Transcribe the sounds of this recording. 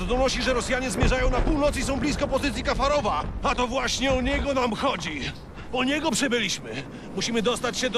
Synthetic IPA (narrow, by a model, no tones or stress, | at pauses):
d̪ɔnɔɕt͡ɕiʐɛɾɔsjaɲɛzmʲjɛʐajɔ̃w̃napuwnɔt̪sisɔ̃w̃blʲiskɔpɔzɨt̪sʲjikafaɾɔvaat̪ɔvwaɕɲɛuɲɛɡɔnamxɔd͡ʑi | uɲɛɡɔpʂɨbɘlʲiɕmɘ | muɕimɘd̪ɔst̪at͡ɕɕɛd̪